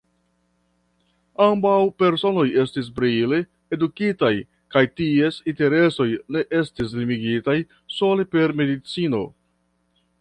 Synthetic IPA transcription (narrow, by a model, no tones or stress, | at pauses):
ambawpe̞ɾso̞no̞je̞stis̬bɾile | edukitaj | kajtie̞sinte̞ɾe̞so̞jne̞ʔe̞stis̬limiɡitaj | so̞le̞pe̞ɾme̞dit͡sino̞̰